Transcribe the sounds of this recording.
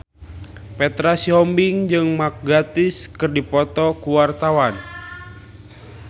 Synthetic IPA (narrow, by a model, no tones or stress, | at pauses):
pɛt̪ɾasiɔmbiŋd͡ʒɨŋmak̚ɡat̪iskɨrdipɔt̪ɔkuwart̪awan